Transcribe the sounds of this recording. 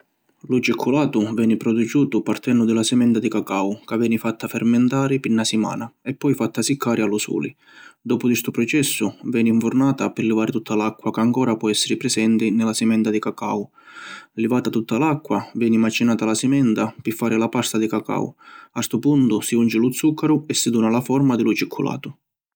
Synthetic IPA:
lut͡ʃɛkʰːʊlaːt̪ʊvjɛːnipɾɔd̪ut͡ʃuːt̪ʊpart̪ɛnːʊd̪ɪlasɪmɛnd̪ad̪ikakaːwkavːɛːnifat̪ʰːafɛɾmɛnt̪aːɾɪpɪnːasima̰ːnaɛpːɔjfat̪ːasikʰːaːɾialːusṵːlḭ | d̪ɔːpʊd̪ist̪ʊpɾɔt͡ʃɛsːʊvjɛːniɱfʊrnaːt̪apɪrlivaːɾɪt̪ut̪ʰːalakːwakaŋkɔːɾapwɔɛsːɪɾɪpɾɛsɛnt̪ɪnɪlasɪmɛnd̪ad̪ikaka̰ːw | livaːt̪at̪ut̪ʰːalakːwavjɛːnimːad͡ʒinaːt̪alasimɛnd̪apɪfːaːɾɪlapast̪ad̪ikaka̰w̰ast̪ʊpunt̪ʊsiunt͡ʃɪlʊt̪sːukːaɾʊɛsːid̪uːnalafɔrmad̪ilut͡ʃikʰːula̰ːt̪ʊ

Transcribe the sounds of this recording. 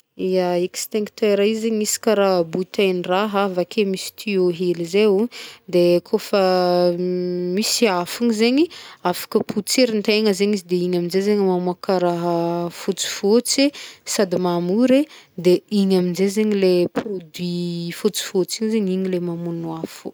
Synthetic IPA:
iaekst̪eŋkt̪eɾaizeɲisi̥kaɾabut̪ajnraɦavakʰemisi̥t̪ʰioɦelizeud̪ekʰofa | misiafiŋizeɲiafḁkəpʰut͡seɾint̪eŋəzeɲizid̪eiɲaminzezeɲəmamakaɾaɦəfut͡si̥fot͡sesad̪imamuɾed̪eiɲaminzezeɲileprod̪ɥifot͡si̥fot͡siɲizeɲiɲilemamunuafu̥

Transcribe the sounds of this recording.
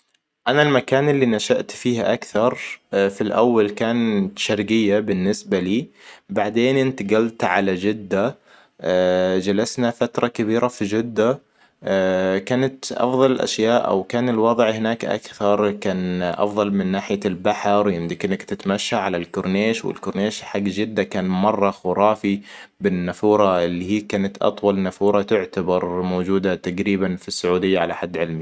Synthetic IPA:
ʔanalmakaːnɪlːinaʃaʔt̪fiːhʔakθɑɾˤfilʔawːalkaːnʃɑɾɡɪjːabɪnːɪsbaliːbaʕd̪eːnʔɪnt̪ɡalt̪ʕalad͡ʒɪd̪ːa | d͡ʒalasnafat̪ɾˤɑkabiːɾʔafid͡ʒɪd̪ːa | kaːnat̪ʔɑ̰fðˤɑlʔa̰ʃjaːʔʔa̰wkaːnɪlwɑðˤʕhɪnaːkʔa̰kθɑɾˤkaːnʔɑ̰fðˤɑlmɪnːaːħɪjalbaħɾwjɪmd̪ikʔɪnːakt̪ɪt̪maʃːaʕalalkʊɾneːʃwɪ̰lkʊɾneːʃħaɡːd͡ʒɪd̪ːakaːnmɑrˤːɑxʊɾˤɑːfibɪnːafuːɾˤɑʔɪlːihiːkaːnat̪ʔɑ̰t̪ˤwɑlnafuːɾˤɑt̪ʊʕt̪abɑɾˤmoːd͡ʒuːd̪at̪aɡɾiːbanfisːʊʕuːd̪ɪjːaʕalaħad̪ːʕɪlmi

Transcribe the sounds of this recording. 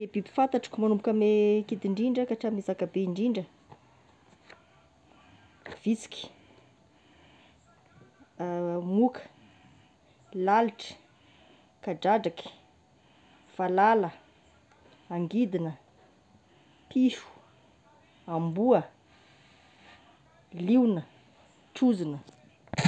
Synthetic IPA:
ebibi̥fant̪aʈ͡ʂə̥kʲumanumpukʲamekid̪iɳɖ͡ʐiɳɖ͡ʐakaʈ͡ʂamisakabeiɳɖ͡ʐiɳɖ͡ʐə | v̥isi̥kʲi̥ | mukʰə̥ | laliʈ͡ʂə̥ | kaɖ͡ʐaɖ͡ʐaki̥ | falalə | aŋɡid̪inə | pʰihu̥ | ambuə | liwnə | ʈ͡ʂuzinə

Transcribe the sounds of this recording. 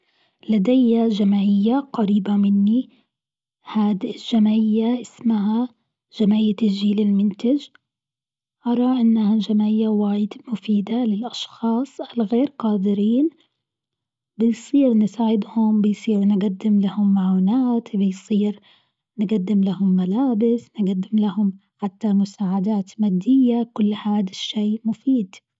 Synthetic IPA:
lad̪ajːaʒamʕɪjːaqaɾiːbamɪnːi | haːd̪ʒamʕɪjːaʔɪsmaɦa | ʒamʕɪjːat̪ʒiːlɪlmɪnt̪ad͡ʒ | ʔɑɾˤɑʔɪnːahad͡ʒamʕɪjːawaːɪd̪mʊfiːd̪alɪlʔɑʃxɑːsˤʔɪlɣeːɾqɑːd̪ɪɾiːn | bɪjsˤiːɾnɪsaːʕɪd̪hʊmbɪjsˤiːɾnɪɡad̪ːɪmlahʊmːaʕuːnaːt̪bɪjsˤiːɾ | nɪɡad̪ːɪmlahʊmːalaːbɪsnɪɡad̪ːɪmlahʊm | ħat̪ːamʊsaːʕad̪aːt̪maːd̪ːɪjːakʊlːhaːd̪aʃːeːmʊfiːd̪

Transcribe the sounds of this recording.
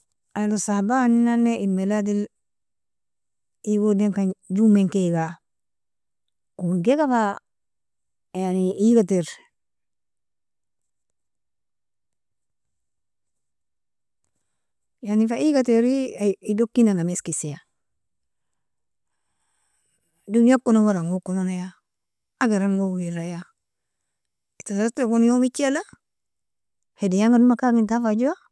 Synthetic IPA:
alosahbaninanːeʔilmeladil | iɡodeŋkand͡ʒumeŋkeɡa | kunɡekafa | janiiɡateɾ | janifaiɡateɾiidokːinaŋameskisija | dunijakunomaɾaŋɡokːunanaja | aɡaɾaŋɡoɡiɾaja | itasatekonjomit͡ʃala | hedijaŋadumakaɡintafad͡ʒua

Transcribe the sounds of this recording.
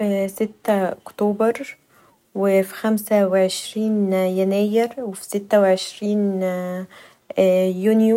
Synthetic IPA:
sɪt̪ːæokt̪oːbɑɾˤ | wefi̥xæmsæweʕeʃɾiːnjænæːjeɾwefi̥sɪt̪ːæweʕeʃɾiːn | junju

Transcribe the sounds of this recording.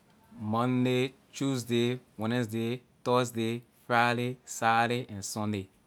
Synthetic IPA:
mɔ̃nde | t͡ʃusdewɛnɛsdetɔsde | fɹajɾesaɾeʔãnsɔ̃nde

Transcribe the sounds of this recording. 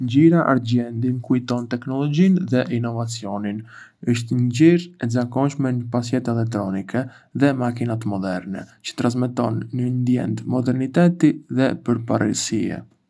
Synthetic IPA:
ɲɟiɾaʔa̰ɾɟɛnd̪inkujt̪ɔnt̪ɛknɔlɔɟinðɛʔinɔvat͡siɔnin | əʃ̬t̪ɲɟiɾɛzakɔnʃmɛnəpas̬jɛt̪ɛlɛk̚t̪ɾɔnikʰɛ | ðɛmakinat̪mɔd̪ɛ̰ɾnɛ̰t͡ʃə̥t̪ɾansmɛt̪ɔnːənd̪jɛ̰nt̪mɔd̪ɛɾnit̪ɛt̪iðɛpəɾparḭɾsḭɛ̰

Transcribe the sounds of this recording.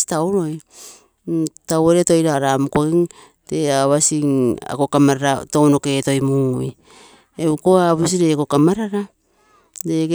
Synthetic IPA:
tawɾo̞j | taweɾeto̞jɾaɾamuko̞iŋ | te̞aβasiŋa̰kokamaɾaɾatowno̞keto̞jmuːj | eukoaβus̬iɾeko̞kamaɾaɾa | deɡ

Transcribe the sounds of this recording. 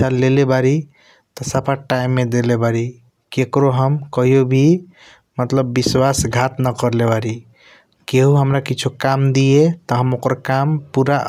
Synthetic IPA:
alelebaɾi | t̪ɔsapʰaʈaimːed̪elebaɾi | kekɾoɦəmkəɦijobʱi | mət̪ləbːiswasɡʱat̪nəkəɾlebaɾi | keɦuɦəmɾakit͡ʃʰukamd̪ijet̪ɔɦəmokəɾkampuɾa

